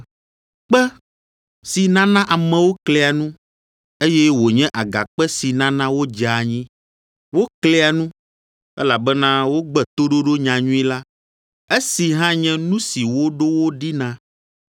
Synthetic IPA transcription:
k͡pɛ˦ | si˨nã˦nã˦ʔa˨mɛ̃˨wo˦kle˨a˨nũ˦ | e˦jɛ˦wo˨ɲɛ̃˦ʔa˨ɡa̰˨k͡pɛ˦si˨nã˦nã˦wo˦d͡ʒa˨ɲĩ˦ | wo˦kle˦a˨nũ˦ | ɛ̰˦la˨bɛ˦nã˦wo˦ɡ͡bɛ˨t̪o˦ɖo˦ɖo˦ɲã˨ɲũ˦ĩ˦la˦ | e˦si˨ɦã˦ɲɛ̃˦nũ˦si˨wo˦ɖo˦wo˦ɖi˦nã˦

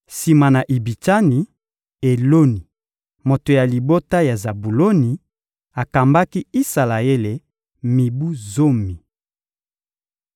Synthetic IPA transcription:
si˨ma˨na˨ʔi˨bi˨ta˦ni˨ | e˨lo˦ni˨ | mo˨to˨ja˨li˨bo˦ta˦ja˨za˨bu˨lo˦ni˨ | a˨ka˨mba˦ki˦i˦sa˨la˨e˦le˨ | mi˨bu˦zo˦mi˨

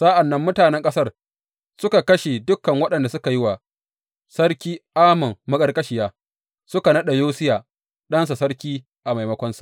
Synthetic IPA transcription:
sa˦ʔa˨nːɐ˦mːʊ˦taː˨nɛ˦ŋkʼɐ˦sɐ˦r | sʊ˦ka˨kɐ˦ʃe˨dʊ˦kːɐ˨ŋwɐ˦ɗɐ˨nda˨sʊ˦ka˨jɪ˦wa˨ | sɐ˦ɽkʲiː˦ʔaː˦mɐ˨mːɐ˦kʼɐ˦rkʼɐ˦ʃɪ˨jaː˦ | sʊ˦ka˨nɐ˦ɗa˨joː˦sɪ˦jaː˨ | ɗɐ˦ns̬a˨sɐ˦rkʲiː˦ | ʔa˨ma˨jmɐ˦kʷɐ˦nsu̥˨ʔ

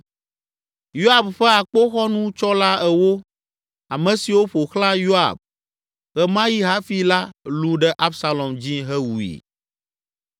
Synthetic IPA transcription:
jo˦a˨bɸɛ˦a˨k͡po˦xɔ˦nũ˦t͡ʃɔ˦la˦ɛ˨wo˦ | a˨mɛ̃˨si˨wo˦ɸo˨xlã˦jo˦a̰˨b̚ | ɣɛ˦mã˦ji˦ɦa˦fi˦la˦lu˦ɖɛ˦ʔa˦bsa˦lɔ˨md͡ʑĩ˦ɦɛ˦wu˨ḭ˨

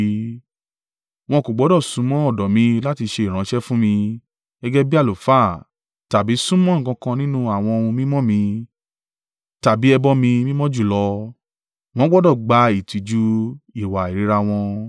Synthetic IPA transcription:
w̃ɔ̃˧ko˨ɡ͡bɔ˨˦dɔ˦˨sũ˨˦mɔ̃˦ɔ˦˨dɔ˨mĩ˧la˦ti˧ʃe˧i˨ɾ̃ã˨˦ʃɛ˦fũ˦mĩ˧ | ɛ˦ɡɛ˦bi˦a˦˨lo˨fa˦˨ | ta˨bi˨˦sũ˦mɔ̃˦˨kã˧kã˧nĩ˦nũ˦a˦˨w̃ɔ̃˧o˧ũ˧mĩ˦mɔ̃˦˨mĩ˧ | ta˨bi˨˦ɛ˧bɔ˧mĩ˧mĩ˦mɔ̃˦d͡ʒu˦˨lɔ˧˦ | w̃ɔ̃˦ɡ͡bɔ˦dɔ˦˨ɡ͡ba˧i˨ti˨d͡ʒu˦i˨wa˨i˨ɾi˨˦ɾa˧w̃ɔ̃˧

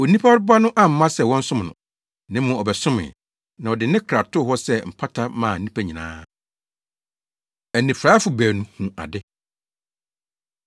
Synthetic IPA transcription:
ɔ˨nĩ˦pʰa˦ɾba˦nʊ̃˦ʔã˦m̩˨˦mã˦sɛ˨wɔ̃˦n̩˦sʊ̃˦mnʊ̰̃˨ | nɪ̃˦mʊ̃˨ɔ˨bɛ˨sʊ̃˦mɪ̰̃˨ | nã˨ɔ˨dɪ˨nɪ̃˦kʰɾa˨tʰʊ˦ɦɔ˦sɛ˦m̩˨pʰa˦tʰa˦mãː˨nĩ˦pʰæ˦ɲĩ˨nã̰ː˦ | æ˨nːĩ˨fɾaː˦fʊ˨bæː˨nũ˨hũ˨a̰˨dɪ˦

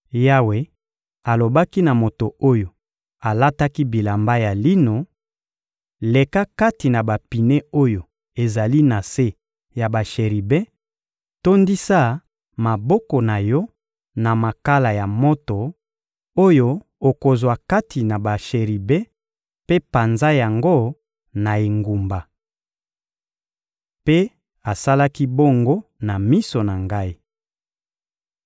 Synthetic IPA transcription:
ja˦we˨ | a˨lo˨ba˦ki˦na˨mo˨to˨o˦jo˨ | a˨la˦ta˦ki˦bi˨la˨mba˦ja˨li˦no˨ | le˨ka˦ka˦ti˨na˨ba˨pi˨ne˦o˦jo˨ | e˨za˨li˦na˨se˦ | ja˨ba˨ʃe˨ʁi˨be˦ | to˦ndi˦sa˦ | ma˨bɔ˦kɔ˨na˨jɔ˦ | na˨ma˨ka˦la˨ja˨mo˦to˨ | o˦jo˦ | o˨ko˨zwa˨ka˦tʰi˨na˨ba˨ʃe˨ʁi˨bɛ˦ | pe˦pa˨nza˦ja˨ŋɡo˦ | na˨e˨ŋɡu˨mba˨ | pe˦ | a˨sa˦la˦ki˦bo˦ŋɡo˦na˨mi˦so˨na˨ŋɡa˦i˦

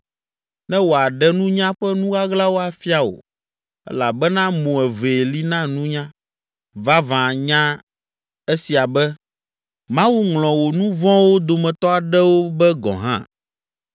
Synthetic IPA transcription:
nɛ̃˦wo˨a˨ɖɛ˦nũ˦ɲã˦ɸɛ˦nũ˦ɡa˦ɡla˦wo˦a˨fi˦a˨o̰˨ | ɛ̰˦la˨bɛ˦nã˦mõ˨ɛ˨ve˨li˦nã˦nũ˦ɲã˦ | va˦vã˨ɲã˦ | e˦si˨a˨bɛ˦ | mã˦wu˦ŋlɔ̃˨wo˨nũ˦vɔ̃˦wo˦d̪o˨mɛ̃˨t̪ɔ˦a˨ɖɛ˦wo˦bɛ˦ɡɔ̰̃˨ɦã̰˦

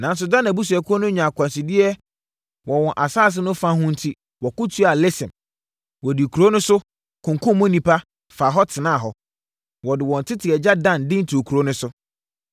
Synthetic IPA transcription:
nã˨n˦s̬ʊ˨dã˦n˨a˨bu˦s̬u˨ɛ˨kʰʊ˦ɔ˦nʊ̃˦ɲã˨kʰʷã˨sɪ˨dɪ˦ɛ˦ | wɔ˨wɔ̃˨ʔa˨saː˦˨s̬ɪ˦nʊ̃˦fã˦hʊ̃˦n̩˦tʰi˦ | wɔ˨kʊ˦tʰu˦a˨lɪ˦sɪ̃˨m | wɔ˨di˨kʰu˨ɾo˦nʊ̃˦sʊ˦ | kʰʊ̃˨ŋ˨kʰʊ̃˦m˦mʊ̃˦nĩ˨pʰa˦ | fa˨ɦɔ˦tʰɪ˨nã˦˨ɦɔ˦ | wɔ˨dɪ˨wɔ̃˨n˨tʰɪ˦tʰɪ˨ɛ˨d͡ʑa˦dã˦ndɪ̃˦n̩˦tʰu˨o˨kʰu˨ɾo˦nʊ̃˦sʊ˦

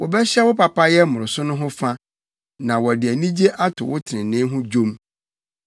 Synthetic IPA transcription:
wɔ˨bɛ˦ɕɛ˦wʊ˦pa˨pa˦jɛ˦mʊ̃˨ɾʊ˨sʊ˦nʊ̃˦ɦʊ̃˦fa˦ | nã˨wɔ˨dɪ˨æ˨nĩ˦d͡ʑe˦ʔa˦tʰʊ̰˨wʊ˦tʰɪ˨nɪ̃˨nɪ̃˦ɦʊ̃˦d͡ʑõ˦m

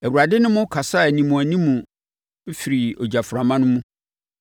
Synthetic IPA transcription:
æ˨wu˨ɾa˨dɪ˦nʊ̃˦mʊ̃˦kʰa˨sa˦˨nĩ˨mũ˨æ˨nĩ˦mũ˨˦ | fi˨ɾi˨o˨d͡ʑa˨fʊ˨ɾa˨mã˦nʊ̃˦mũ˦

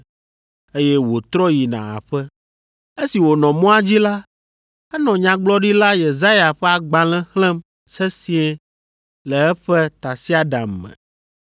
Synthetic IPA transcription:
e˦jɛ˦wo˨t̪ɾɔ˦ji˨nã̰˨a̰˨ɸɛ˦ | e˦si˨wo˨nɔ̃˨mɔ̃˦a˦d͡ʑi˦la˦ | ɛ˦nɔ̃˨ɲã˨ɡ͡blɔ˦ɖi˦la˦je˨za˦ja˨ɸɛ˦a˨ɡ͡bã˨lɛ̃˦hlɛ̃˦m | sɛ˦sĩ˦ɛ˦ | lɛ˨ɛ˦ɸɛ˦t̪a˨si˦a˦ɖa˨mːɛ̰̃˨

